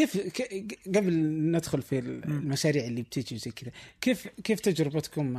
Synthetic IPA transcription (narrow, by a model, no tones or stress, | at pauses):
kif | ɡæbəlnəd̪xʊlfillmæʃæɾiʕəlːib̚t̪ʰit̪izæj̪kəd̪ækifkift̪æd͡ʒɾəbət̪kʊm